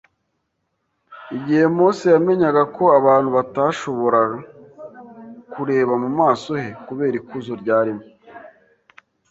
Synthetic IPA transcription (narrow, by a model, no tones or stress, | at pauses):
iɟihe̞moːsejame̞ɲaɡako̞aβaːn̥huβataʃo̞βo̞ɾaa | kuɾe̞ːβamumaːso̞he̞kuβe̞ːɾikuzoɾɟaːɾimo